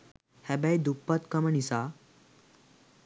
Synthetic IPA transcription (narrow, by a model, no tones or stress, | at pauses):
hɛbɛjd̪upːat̪kəməɳisa